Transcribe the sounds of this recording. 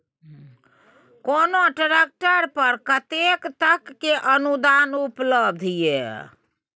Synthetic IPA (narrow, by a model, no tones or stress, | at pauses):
konoʈɾek̚ʈəɾpəɾkət̪ekt̪əkːeʔənud̪anupləb̚d̪ʱijḛ